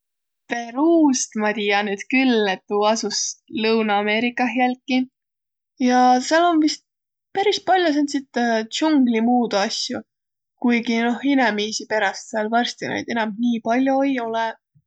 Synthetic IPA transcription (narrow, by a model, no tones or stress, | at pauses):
pe̞ɾuːst̪mɑt̪ijɑnyːd̪̥kylːet̪ːˑuɑsuslɤwnɑːme̞ːɾikːˑɑɦjælkːˑi | jɑseɑlo̞nvist̪̚ | pæɾis̚pɑlʲjosent̪sit̪t͡ʃuŋɡlimuːd̪ɑsʲju | kujɡino̞hinemiːsipe̞ɾɑst̪seɑlvɑrst̪inɑ̰jd̪̥e̞nɑmniːpɑlʲjojo̞lɛ